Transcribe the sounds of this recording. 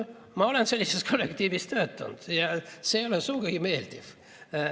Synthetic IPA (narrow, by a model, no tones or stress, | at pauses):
mɑo̞lenselːisest̪̚kʰo̞lːekt̪iːvist̪øːt̪ːˑṵnd̪̥jɑseolesuːkɑɡime̞ːld̪̥iv̥